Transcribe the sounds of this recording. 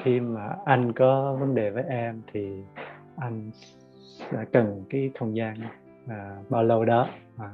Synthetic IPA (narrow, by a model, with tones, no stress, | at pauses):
xi˧maː˨˩ʔa˧jŋ̟kɔ˨˦və˨˦nɗe˨˩vəː˨˦jʔɛ˧mt̪ʰi˨˩ | ʔa˧jŋ̟ | sɛ̰˧˥kə˨˩nkaː˨˦jxʰə˧wŋ͡mzaː˧n | aː˨˩ɓaː˧wlə˧wɗɔ˨˦ | aː˨˩